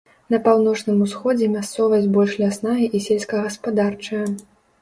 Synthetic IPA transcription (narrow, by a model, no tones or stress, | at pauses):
n̪ɐpawnɔt͡ʂnɨmusxɔd͡zʲɛmʲast̪sɔvɐbɔlʲʂlʲasnajɐʔisʲelʲsʲkɐɣɐspad̪art͡ʂɐjɐ